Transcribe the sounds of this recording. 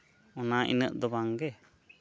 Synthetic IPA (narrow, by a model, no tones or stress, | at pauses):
ɔnaḭnə̰ʔd̪ɔbaŋɡɛ